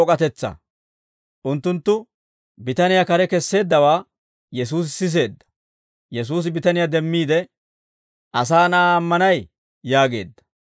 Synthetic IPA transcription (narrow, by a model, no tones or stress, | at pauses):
ɔkʼɐt̪ɛt͡sːɐ̰ | ʔʊnt̪ːʊnt̪ːʊ | bɪt̪ɐnɪjakɐɾɛkɛsːe̞ːd̪ːɐwaː | jɛs̬uːs̬ɪsɪs̬e̞ːd̪ːɐ̥ | jɛs̬uːs̬ɪbɪt̪ɐnɪjad̪ɛmːiːd̪ɛ | ʔɐs̬aːnaːɐmːɐnɐj | jaːɡe̞̰ːd̪ːɐ̥